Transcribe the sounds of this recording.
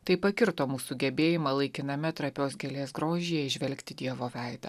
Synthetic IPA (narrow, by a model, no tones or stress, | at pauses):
t̪ɐɪpɐkʲɪɾt̪oːmuːsʊɡʲɛbʲeːjɪmɐlˠɐɪkʲɪnɐmʲɛt̪ɾɐpʲoːsɡʲɛlʲeːsɡɾoːʒʲijɛɪʒʲʋʲɛlʲkt̪ʲɪd̪ʲiɛʋoːʋʲæˑɪd̪ɐ̰